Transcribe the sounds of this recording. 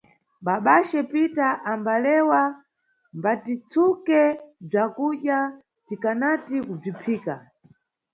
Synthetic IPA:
ɓaɓaʃɛpitaʔambalɛwa | mbatit͡sʰukɛb͡ʐakuɗja | tikanatikub͡ʐipʰiːka

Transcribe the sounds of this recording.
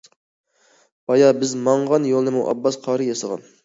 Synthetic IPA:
bɑjɑbɪzmɑɴʁɑnjolˠnɨmuʔɑ̰bːɑsqʰɑːɾɨjɑsəʁɑ̰n

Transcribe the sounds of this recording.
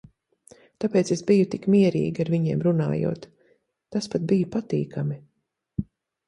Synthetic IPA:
t̪apeɛːt̪sesbijut̪ikmiɛɾḭːɡʲiaɾviɲiɛmɾuna̰ːjṵɔːt̪ː | aspat̪̚bijupat̪ḭːkʰami

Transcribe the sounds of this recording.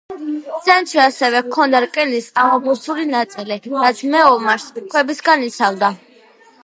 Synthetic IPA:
sɛnt̪ʃiasɛvɛkʰɔnd̪aɾkʼɛnisamɔbusulinat̪sʼiliɾat̪sʰmɛɔmaɾskʰwɛbisɡanit̪sʰald̪a

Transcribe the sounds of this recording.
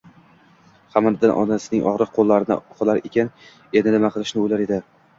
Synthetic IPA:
hamand̪ɪnʔɒ̰nasɪnɪŋɒ̰ʁɾɨq̚qʰolˠːaɾɪnɪ̰qlˠaɾe̞kʲʰan | enɪnɪmaqʰɨlˠɪʃnɪojlaɾe̞d̪ɪ

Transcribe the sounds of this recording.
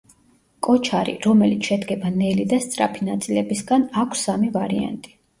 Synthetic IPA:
kʼɔt͡ʃʰaɾḭɾɔmɛlit̪sʰʃɛd̪ɡɛbanɛlid̪ast̪sʼɾa̰pʰinat̪sʼilɛbisɡanakʷʰsamivaɾia̰nt̪ʼi̥

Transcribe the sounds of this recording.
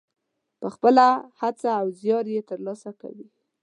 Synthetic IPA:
pəxpəlahat͡saːwzjɑɾjet̪əɾlɑsaka̰wi

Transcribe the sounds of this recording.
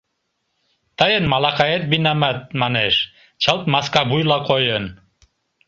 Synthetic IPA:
t̪ɑjənmɑlˠɑqɑet̪̚binamat̪̚mɑneʃ | t͡ɕʰɑlt̪̚mɑskɑbujlˠɑkʰojən

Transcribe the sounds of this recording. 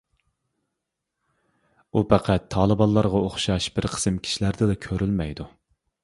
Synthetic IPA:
upʰæqʰæt̪ʰːɑːlˠɨbɑnlˠɑɾʁɑoχʃɑʃbɪɾqʰə̥sɨmkʲʰi̥ʃilæɾd̪ɪd̪ɛkʲʰøɾylmɛjd̪u

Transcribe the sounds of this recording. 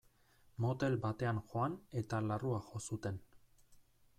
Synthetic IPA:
mo̞t̪e̞lbat̪e̞anxo̞ane̞t̪alaruaxo̞sut̪e̞n

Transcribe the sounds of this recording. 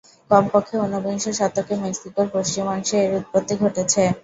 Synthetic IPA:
kɔmpokʰːeonːoboiŋʃoʃat̪ːokemeksikoɾpoʃt͡ɕimɔŋʃeɾut̪̚pot̪ːiɡʱoʈet͡ɕʰe

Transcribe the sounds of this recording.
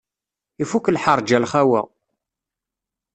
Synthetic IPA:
ifukːlħəɾˤd͡ʒælχæwæ̰

